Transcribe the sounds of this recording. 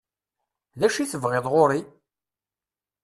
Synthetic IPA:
ðæʃiθəvʁɪðˤʁoɾi

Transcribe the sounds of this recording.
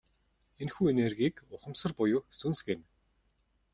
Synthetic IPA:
enxuːenerɣiːkʊχə̆msə̆rpʊjʊːsunsɡen

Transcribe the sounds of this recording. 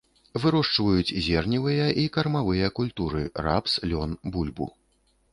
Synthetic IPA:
vɨɾɔʂt͡ʂvɐjut͡sʲzʲɛrnʲivɨjɐʔikɐrmavɨjɐkulʲt̪uɾɨra̰pslʲɔnbulʲbṵ

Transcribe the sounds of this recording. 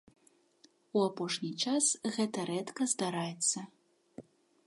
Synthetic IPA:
uapɔʂnʲit͡ʂasɣɛt̪ɐɾɛt̪kɐzd̪aɾajɛt̪sːɐ

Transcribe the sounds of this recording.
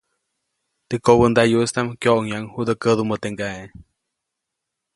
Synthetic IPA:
t̪ikoβənd̪ajust̪amkjoʔoŋjaŋhud̪əkəðumət̪eŋɡae

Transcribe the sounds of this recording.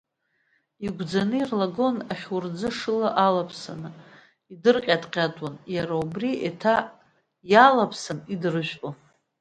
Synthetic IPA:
iɡʷd͡zanɨirlaɡo̞naχʲurd͡zɨʂɨlaʔalapʰsa̰nɨ | idɨrqʲʼadʼqʲʼatʼanjaɾaubriʔetʰa | jalapʰsanidɨrɨʒʷᶣpʼa

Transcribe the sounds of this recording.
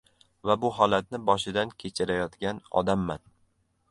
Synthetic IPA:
vabʊɦɒlat̪̚nɪbɒʃɪd̪ankʲʰet͡ʃʰɪɾajɒt̪ɡʲanɒ̰d̪amːan

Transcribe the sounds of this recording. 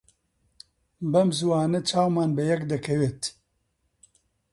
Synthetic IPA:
bɐmzuwaːnɛt͡ʃʰaːwmaːnbɛjɛkd̪ɐkʰɛweːt̪

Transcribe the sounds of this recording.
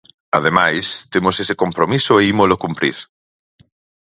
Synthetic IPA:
að̞emajst̪emosesekompɾomisoeimolokumpɾḭɾ

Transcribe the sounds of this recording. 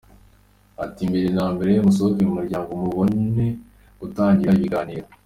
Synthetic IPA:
atiːmbeɾenaːmbe̞ɾejomusookemumuɾɟaːŋɡomuβo̞ne̞ | ɡutaːɲɟiɾaiβiɡaːniɾo

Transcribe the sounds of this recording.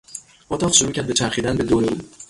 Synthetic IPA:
ot̪ʰɒfʃoɾuːcʰʲæɾd̪bet͡ʃʰæɾxid̪ænbe̞d̪oɾeu

